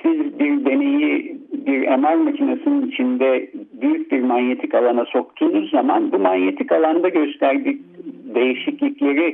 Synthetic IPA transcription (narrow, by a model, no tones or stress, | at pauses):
sizbiɾd̪e̞ne̞jibiɾemaɾmacʰinasɯnɯnit͡ʃʰind̪ɛbyjyc̚ʲbiɾmanjet̪ʰikalˠanaso̞k̚t̪ʰinikzama̰nbumanje̞t̪ʰicalˠand̪aɟø̞st̪ʰæɾd̪ic̚d̪e̞jiʃiclʲiclʲe̞ɾi